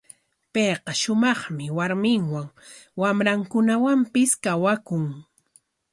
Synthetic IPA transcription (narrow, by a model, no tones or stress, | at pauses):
pejqɑʃʊmɑχmɪwaɾmɪŋwaŋwamɾaŋkʊnawampɪskawakʊŋ